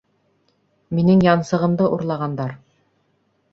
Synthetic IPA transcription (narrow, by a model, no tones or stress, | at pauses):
minɘŋjɑnsɤ̆ʁɤ̆md̪ɤʔuɾlˠɑʁɑnd̪ɑɾ